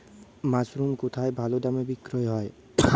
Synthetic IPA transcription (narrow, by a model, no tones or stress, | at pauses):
masɾumkot̪ʰaebʱalod̪amebikɾojɦɔe